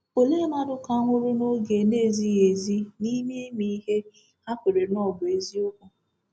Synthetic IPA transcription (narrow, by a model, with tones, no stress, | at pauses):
o˨le˦ma˦dʊ˦ka˦ŋʷʊ˦ɾu˦no˦ɡe˨ne˦˨zi˦e˨zi˦ni˦mi˦e˦mi˦ɦe˦ | a˦kʷe˨ɾe˨n˦ɔ˦˨bʊ˨e˦zi˦ʊ˦kʷʊ˦